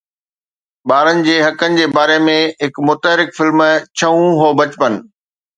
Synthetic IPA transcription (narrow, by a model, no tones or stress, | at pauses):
ɓaːɾənɪ̆d͡ʑeːɦɐkənɪ̆d͡ʑeːbaːɾemẽɦɪkmʊt̪əɦɾɪkfɪlmt͡ɕʰɐũɦoːbɐt͡ɕpən̆